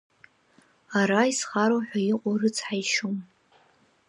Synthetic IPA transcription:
aɾaisχaɾowħʷᶣaiqʷʼorɨt͡sʰħajʃom

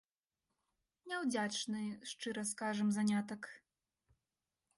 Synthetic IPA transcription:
nʲɛwd͡zʲat͡ʂnɨʂt͡ʂɨɾɐskaʐɐmzanʲat̪ɐk

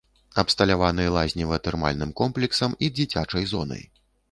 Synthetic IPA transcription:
ɐpst̪ɐlʲavanɨjɐlˠazʲnʲivɐɐt̪ɛrma̰lʲnɨmkɔmplʲɛksɐmid͡zʲit͡sʲat͡ʂɐjzɔnɐ̰j

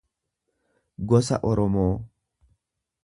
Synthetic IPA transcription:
ɡɔsɐʔɔɾɔmoː

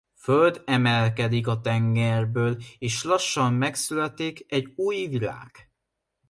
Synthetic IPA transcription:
føld̪ɛmɛlkɛd̪ik̬ɒt̪ɛŋɡɛrbøːleːʃlɒʃːɒmːɛksylɛt̪ikɛɟuːjvila̰ːɡ̥

